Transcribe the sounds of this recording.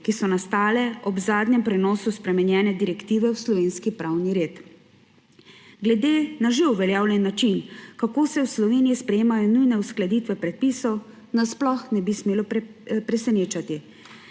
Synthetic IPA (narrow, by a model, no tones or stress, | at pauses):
kisɔnast̪aːlɛɔbzaːd̪ɲɛmpɾɛnɔːsuspɾɛmɛnjɛːnɛd̪iɾɛkt̪iːʋɛwslɔʋeːnskipɾaːwniɾeːt̪ | ɡlɛd̪eːnaʒeuʋɛljaːwlʲjɛnːat͡ʃinkakoːsɛwslɔʋeːnijispɾɛjeːmajɔnujnɛusklad̪iːt̪ʋɛpɾɛt̪̚piːsɔw | nasplɔxnɛbismeːlɔ | pɾɛsɛneːt͡ʃat̪i